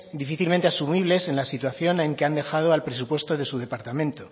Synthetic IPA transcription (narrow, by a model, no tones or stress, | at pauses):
d̪ifiθilmẽnt̪e̞asumiβ̞le̞se̞nlasit̪waθjo̞nẽ̞ŋke̞and̪e̞xað̞o̞alpɾe̞s̬upwe̞st̪o̞ðe̞suð̞e̞paɾt̪amẽnt̪o̞